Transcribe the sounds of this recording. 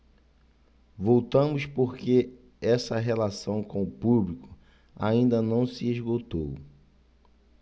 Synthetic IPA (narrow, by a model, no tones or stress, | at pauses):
vowt̪ɐ̃mʊspoɾke | ɛsɐɦelasɐ̃w̃kõʊpublikʊ̥ | a̰ĩnd̪ɐnɐ̃w̃sɪezɡot̪ow